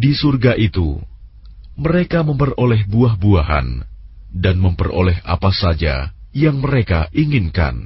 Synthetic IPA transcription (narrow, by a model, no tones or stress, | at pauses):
disurɡaʔit̪ṵ | məɾekaməmpərolɛhbuaɦbuaɦa̰n | danməmpəro̰lɛɦʔa̰pasad͡ʒa̰jaŋməɾekaʔiŋɪnka̰n